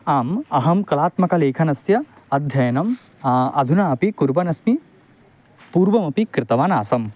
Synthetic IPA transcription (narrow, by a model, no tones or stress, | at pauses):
aːmɐɦɐmkɐlaːt̪mɐkɐleːkʰɐnɐsjɐ | ɐd̪ʱjɐjɐnɐm | ɐ̰d̪ʱunaːɐpikuɾʋɐnɐsmi | puːɾʋɐmɐpikɾɪt̪ɐʋaːnaːsɐm